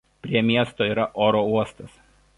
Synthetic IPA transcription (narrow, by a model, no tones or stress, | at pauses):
pʲɾʲiɛmʲiɛst̪oːiːɾɐʔoːɾouɔst̪ɐs